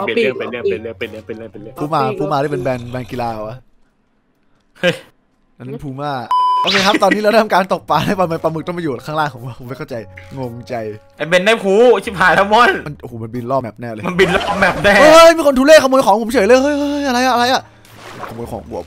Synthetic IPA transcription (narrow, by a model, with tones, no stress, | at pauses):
pʰuː˦˥maː˧pʰuː˦˥maː˧˥˩pe˧nbɛː˧ŋbɛː˧nki˧laː˧wʔa˦˩ | hɤ˦˥˩j | na˧na˦˥˩pʰuː˧˩maː˥˩ʔoː˧kʰeː˧kʰa˦˥t̪ɔː˧nːi˦˥lɛ˦˥˩t̪ʰa˧kaː˧nt̪o˨˩k̚paː˧a˦˥˩pa˧ma˧paː˧mɯ˨˩k̚t̪ɔ˥˩pa˧˨uː˨˩˨kʰaː˥˩laː˥˩ŋʰɔ˩˦waː˥˩pʰo˨˩˦ma˥˩kʰa˥˩t͡ɕa˧jŋoː˧ŋt͡ɕa˧j | a˨˧˩be˧nːaː˥˩pʰuː˦˥t͡ɕ̪ʰiː˦˥pʰaː˨˩lɛː˦˥wmɔ˧˥˩nma˧nʔo˨hoː˨˩ma˧nbi˧nlɔː˥˩mɛː˨˩p̚nɛː˥˩ləː˧ma˧nbi˧nlɔː˥˩p̚mɛ˨˩p̚nɛː˥˩˧hɤ˥˩jmiː˧kʰo˧nt̪uː˧˦leː˥˩kʰa˧mu˧jkɔː˨˩˦ŋpʰo˩˦mt͡ɕʰɤː˨˦lɤː˧jhɤ˧˥jɤ˧˩˥jʔa˧ɾa˧jʔa˨˩ʔa˧ɾa˧jʔa˨˩˧ | kʰa˧mu˧jkʰɔː˩˦ŋku˨˩əp̚